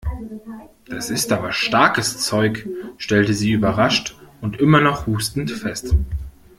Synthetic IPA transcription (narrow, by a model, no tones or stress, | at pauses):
d̥asɪstʔaːbɐʃtaɐkəst͡sɔʏkʃtɛltəziːyːbɐʁaʃtʊntʔɪmɐnɔχhuːstn̩tfɛst